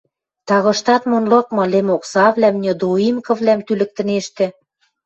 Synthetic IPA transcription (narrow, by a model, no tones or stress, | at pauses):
t̪ɑɣɤ̆ʃt̪ɑt̪monlɤ̆k̚mɤ̆lemoksɑβlæmnʲɤ̆d̪oimkɤ̆vlæmt̪ylɘ̆k̚t̪ɘ̆neʃt̪ɘ̆